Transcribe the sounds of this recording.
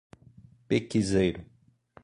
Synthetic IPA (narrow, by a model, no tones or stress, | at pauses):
pekizejɾʊ